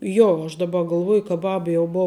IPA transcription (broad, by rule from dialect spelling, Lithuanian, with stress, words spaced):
ˈjoː ɐʃ dɐˈbɐ ɡɐlˠˈʋuɔj kɐ ˈbɐp jɛʊ ˈboːʊ